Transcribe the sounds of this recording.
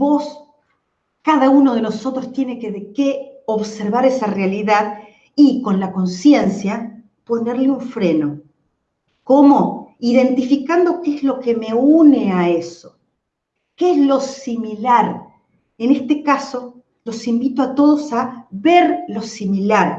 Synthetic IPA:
bo̞s | kaðaunoð̞e̞no̞so̞t̪ɾost̪je̞nekeðekeoβseɾβaɾesarealiðað | iko̞nlako̞nsje̞nsja | po̞ne̞ɾleuɱfɾe̞no̞ | ko̞mo̞iðe̞nt̪ifikand̪o̞keezlo̞keme̞uneaeso̥ | keezlo̞similaɾ | ene̞st̪ekaso̞ | lo̞simbit̪oat̪o̞ð̞osaβeɾlo̞similaɾ

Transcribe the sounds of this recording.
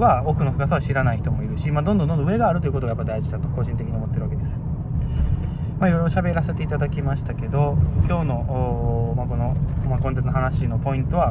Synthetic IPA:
ao̞kɯ̟no̞ɸɯ̟̥kasaβaɕiɾanaiçi̥t̪o̞mo̞iɾɯ̟ɕimaːd̪ond̪ononoɯ̟e̞ɡaːɾɯt̪o̞iɯ̟ko̞t̪oɡajapːd̪aiʑid̪at̪o̞ko̞ʑĩnt̪e̞kʲiɲ̟iomo̞t̪ːeɾβake̞d̪esɨ̥ | maiɾo̞jɾo̞ɕabe̞ɾase̞t̪e̞it̪ad̪akʲimaɕi̥t̪ake̞d̪o̞kʲo̞ːno̞ | mako̞no̞makõnt̪ẽt͡sɨnoɦanaɕino̞po̞ĩnt̪o̞βa

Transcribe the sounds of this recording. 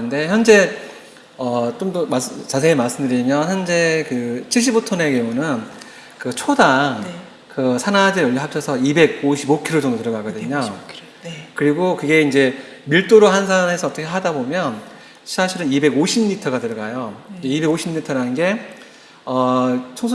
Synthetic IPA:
ɯnde̞çjʌnd͡ʑe̞ | ʌt͡ɕomdʌmas͈t͡ɕas̬ʰeemaɭs͈ɯmdɯɾimjʌnçjʌnd͡ʑe̞kɯt͡ɕʰiɭɕ̬͈ibotʰʌne̞kjoŋunɯn | kɯt͡ɕʰodaŋ | kɯsʰanad͡ʑejʌʎːiɦap̚t͡ɕʰʌsʰʌibe̞ɡ̚oɕʰibokʰiɾod͡ʑʌŋdotɯɾʌɡaɡʌdɯɲo | kɯɾiɡokɯɡe̞ind͡ʑe̞miɭt͈oɾoɦansʰane̞sʰʌːt͈ʌkʰeɦadabomjʌn | ɕʰaɕʰiɾɯnibe̞ɡoɕʰimɲitʰʌɡatɯɾʌɡajod͡ʑeibe̞ɡoɕʰimɲitʰʌɾanɯnɡe̞ | ʌt͡ɕʰʌŋsʰ

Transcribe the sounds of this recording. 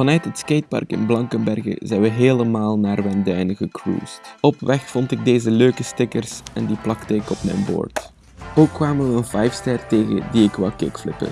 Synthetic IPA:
vɑnœɥtɦətskeːt̚pɑ̰rkɪ̰nblɑŋkənbɛrɣə̰zɛjnʋəɦeːləmaːlˠnaːrʋɛndœɥnəɣəkrṵːstɔpʋɛxfɔntɪɡ̚deːzəløːkəstɪkərsɛndiplɑktəɪkɔpmɛ̰jnbo̰ːrt | oːkːʋaːməʋəənvɛjfstɛrteːɣə̰diɪkʋɛlˠkɪkflɪpə̰n

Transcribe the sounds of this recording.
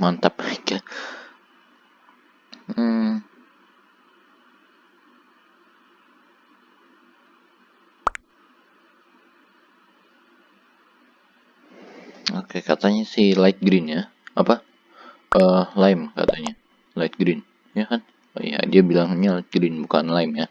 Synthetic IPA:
mant̪ap̚aika | okekat̪aɲasɪhlajt̪̚ɡɾɪnja | apa | ʔəlaɪmka̰t̪aɲa | laɪt̪̚ɡɾɪn | jakan | o̰ja̰diabilaŋaɲalait̪̚ɡɾɪnbukanlaɪmja

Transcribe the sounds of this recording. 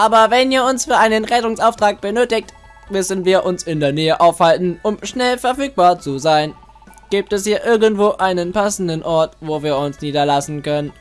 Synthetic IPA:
ʔaːbɐvɛniːɐʊnsfyːɐʔaɪnənʁɛtʊŋsʔaʊftʁ̥aːk̚b̥ənøːtɪkt | mʏsn̩viːɐʔʊnsɪndeːɐnɛːəʔaʊfhaltn̩ʔʊmʃnɛlfɛɐfyːk̚b̥aːɐt͡suzaɪn | ɡ̥iːp̚tɛshiːɐʔɪɐɡn̩tv̥oːʔaɪnənpʰasn̩dənʔɔɐtvoːviːɐʊnsniːdɐlasn̩kœnən

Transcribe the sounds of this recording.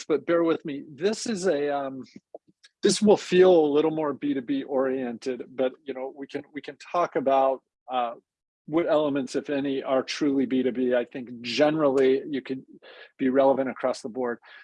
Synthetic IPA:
b̥ʌt̚b̥ɛɹwɪðmiðɪsɨzɨʌ̃m | ðɪswəlˠfilˠəlɪɾl̩ˠmɔɹbiɾɨbiʔɔɹiɛ̃ntɨd̚b̥ʌt̚jɨñoʊwikʰɨ̃nwikʰɨ̃ntʰɔkɨbaʊt̚ | wʌɾɛlˠəmɨ̃ntsɨfɛniə˞tʰɹ̥ʉlˠibiɾɨbiaɪθɪ̃ŋk̚ʒɛnə˞l̩ˠijɨkʰɨd̚b̥iɹɛlˠəvɨ̃ɾ̃ɨkʰɹ̥ɔsðəbɔɹd̥̚

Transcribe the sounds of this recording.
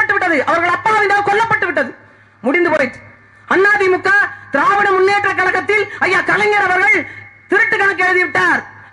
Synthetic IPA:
ɐʈːɯʋɪʈːɐðɯʔɐʋɐɾɣɐɭɐpːaːɐʋɪnd̪aːkɔlːɐpːɐʈːɯʋɪʈːɐðɯ | mʊɽɪnd̪ɯkɔɾɐɪt̪ːɯ̥ | ɐnːaːðimʊkːaːt̪ɪɾaːʋɐnɐmʊnːeːʈrɐkːɐlɐkːɐt̪ːɪlɐjːaːkɐlɐŋɡɐɾɐʋɐɾɣɐɭt̪ɪɾɯʈːɯkːɐɳɐkːɯɛɻɯðiʋɪʈːaːɾ

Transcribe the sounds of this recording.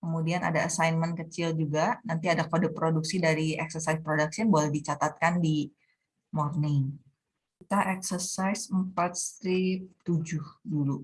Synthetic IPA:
kəmudiana̰daasajnmənkət͡ʃɪld͡ʒuɡanant̪iadakodɪpɾoduksidaɾiɛksərsaispɾodaksiənbolɛhdit͡ʃat̪at̪̚kandi | mornɪŋ | kit̪aʔɛksərsajsəmpat̪̚st̪ɾip̚t̪ud͡ʒʊhdulu

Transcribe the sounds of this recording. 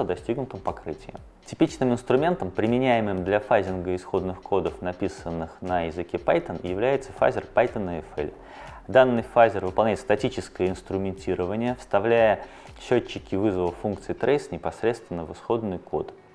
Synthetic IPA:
əd̪ɐsʲtʲiɡnʊt̪əmpɐkɾɨtʲɪjɪ̰ | tʲɪpʲit͡ɕnɨmɪnst̪ɾʊmʲe̞nt̪əmpɾʲɪmʲɪnʲæjɪmɨmd̪lʲɐfazʲɪnɡəɪsxo̞d̪nɨxkʰo̞d̪əfnɐpʲisənːɨxnɐjɪzɨkʲepajt̪ənjɪvlʲæjɪt̪sə̥fa̰zʲɪrpajt̪ənəɛfḛlʲ | d̪anːɨjfazʲɪrvɨpɐlˠnʲæjɪt̪st̪ɐtʲit͡ɕɪskəjəɪnst̪ɾʊmʲɪnʲtʲiɾəvənʲɪjəfst̪ɐvlʲæjə | ɕːot͡ɕːɪkʲɪvɨzəvəfːunk̚t̪sɨɪt̪ɾejsnʲɪpɐsɾʲe̞t̪st̪vʲɪnːəvɨsxo̞d̪nɨjko̞̰t̪

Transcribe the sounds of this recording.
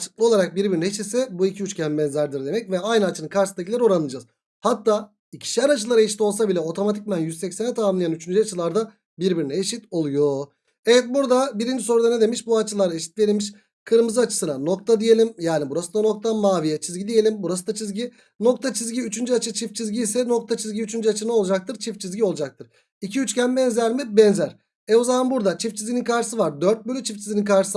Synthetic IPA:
at͡ʃʰɯ̥klˠɯo̞lˠaɾak̚biɾbiɾinɛeʃit̪sɛbuicʰiyt͡ʃcʰambɛnzæɾd̪iɾd̪e̞mɛcvɛajnɯat͡ʃʰɯnɯkʰaɾsɯd̪acʰʲilʲɛɾoɾanɯɯd͡ʒaz | hat̪ʰːaː | icʰi̥ʃʲæɾat͡ʃʰɯlˠaɾaeʃit̪o̞lˠs̬abilʲɛo̞t̪ʰo̞mat̪ʰic̚mænjyzsɛcsenɛt̪ʰamamlˠajanyt͡ʃʰynd͡ʒyat͡ʃʰɯlˠaɾd̪a | biɾbiɾinɛeʃit̪o̞lˠujo̞ | evɛt̪̚buɾd̪abiɾind͡ʒiso̞ɾud̪ane̞d̪e̞miʃbuat͡ʃʰɯlˠaɾeʃi̥t̪̚d̪ʲijelʲimiʃ | kʰɯɾɯmɯzɯat͡ʃʰɯ̥sɯnano̞k̚t̪ʰad̪ije̞lʲimjaːnibuɾasɯd̪ano̞k̚t̪ʰamaːvijɛt͡ʃʰizɡɟid̪ije̞lʲimbuɾasɯd̪at͡ʃʰizɟi | no̞k̚t̪ʰat͡ʃʰizɟiyt͡ʃʰynd͡ʒat͡ʃʰɯt͡ʃʰift͡ʃʰizɟiːsɛno̞k̚t̪ʰat͡ʃʰizɟiyt͡ʃʰynd͡ʒyat͡ʃʰɯnao̞lˠud͡ʒak̚t̪ʰɯɾt͡ʃʰift͡ʃʰizɟio̞lˠud͡ʒak̚t̪ʰɯɾ̥ | icʰiyt͡ʃcænbɛnzæɾmibɛnzæɾ̥ | ɛozamanbuɾd̪at͡ʃʰift͡ʃʰizʲɡʲininkʰaɾʃɯsɯvaɾd̪ø̞ɾt̪̚bølʲyt͡ʃʰift͡ʃʰizɡininkʰaɾʃɯ̥s

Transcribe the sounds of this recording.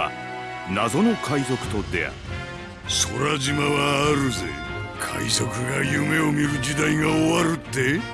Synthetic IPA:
a̰ | nazo̞no̞kʰaizo̞kɯ̟̥t̪o̞d̪e̞̰a̰ɾ | so̞ɾaʑimaβaːɾɯ̟ze̞̰kʰa̰iso̞kɯ̟ɡajɯme̞o̞mʲiɾɯ̟d͡ʑid̪aiɡaoβaɾɯ̟t̪ːe̞

